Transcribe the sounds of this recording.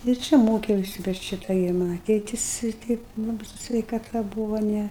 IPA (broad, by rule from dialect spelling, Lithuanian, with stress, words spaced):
ɪr ˈt͡ʃʲɛ ˈmoːkʲɛʊsʲɪ bʲɛt ˈʃʲɪtɐ ɡʲɪ ˈmɑːnɐ ˈtʲeːtʲɪs ɪr ˈtʲɛɪp ˈlˠɑːbɨɪ sʊ sʲʋʲɛɪkɐˈtɐ ˈbuːʋoː ˈnʲɛ